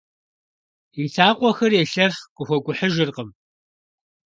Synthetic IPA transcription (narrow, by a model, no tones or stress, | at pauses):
iɬʰaːqʷɔxɐrjeːɬɐχqʷʼʊxʷɔkʷʼʊħəʒɪrqəm